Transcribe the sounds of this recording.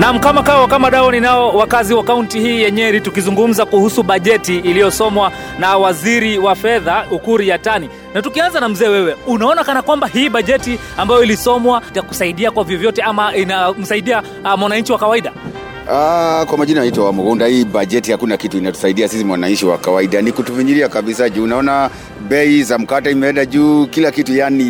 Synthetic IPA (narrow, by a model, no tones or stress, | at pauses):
nam̩kamakawakamaɗawaninaɔwakaziwakauntihiːjɛɲɛɾitukizuŋɡum̩zakuhusuɓaʄɛtiːlijɔsɔmwa | nawaziɾiwafɛðaukuɾijatani | natukianzanam̩zɛːwɛwɛunaɔnakanakwambahiːɓaʄɛti | ambajɔilisɔmwataku̥saiɗiakwavjɔvjɔtɛamainam̩saiɗia | mwanaɲt͡ʃiwakawaiɗa | akwamaʄinanaitwawamuɡundahiːbaʄɛtihakunakituinatu̥saiɗiasisimwanaɲt͡ʃiwa̰kawaiɗanikutuviɲiɾiakaɓisaʄuːnaɔna | bɛizam̩kataimɛɛndaʄuːkilakitujani